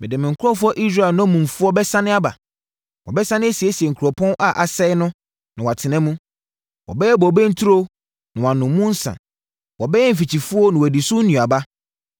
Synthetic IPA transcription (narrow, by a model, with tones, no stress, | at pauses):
mɪ̃˨dɪ˨mɪ̃˨ŋ̩˨kʰʊ˦ɾɔ˦fʊ˦ɔ˦ʔi˦s̬ɾa˦˨lnʊ̃˦mũ˨mfʊ˦ɔ˦bɛ˦sã˦nɪ̃˦a˦ba̰˨ | wɔ̰˨bɛ˦sã˦nɪ̃˦e˦si˨e˦si˨ɛ˨ŋ̩˨kʰɾɔ˨pʰɔ̃˦nʔa˦ʔa˨sɛ˦ɪ˦nʊ̃˦ | nã˨wa˨tʰɪ˨nɛ̃˦mũ˦ | wʔɔ̰˨bɛ˦jɛ˦bɔ˨bɛ˦n̩˦tʰu˦ɾo˦ | nã˨wã˨nʊ̃˨˦mũ˦n̩˦sã̰˨ | wɔ˨bɛ˦jɛ˦m̩˨fi˨t͡ɕʰi˨fu˦ɔ˦nʊ̃˨wɔ˨di˨sʊ˦n̩˦nũ˨a˨ba˦